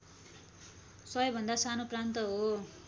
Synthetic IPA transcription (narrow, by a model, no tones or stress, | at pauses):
sʌʌbʱʌnd̪asanoprant̪ʌɦo